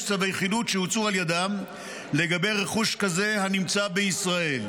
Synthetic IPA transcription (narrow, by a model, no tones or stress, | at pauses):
savejeχidutʃehut͡sualjad̪am | le̞ɡabe̞jʁe̞χuʃkaze̞hanimt͡sabe̞isʁae̞l